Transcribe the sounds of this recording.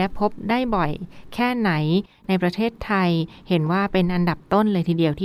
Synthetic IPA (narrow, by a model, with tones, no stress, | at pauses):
ɛ˦˥pʰo˦˥p̚daː˥˩jbɔ˨˩jkʰɛː˥˩na˩˦j | na˧jpɾa˧t̪ʰeː˥˩t̪ʰːa˧jhe˩˦nwaː˥˩pe˧nʔa˧nda˨˩p̚t̪o˥˩nlɤː˧jt̪ʰiː˧di˧əwt̪ʰiː˥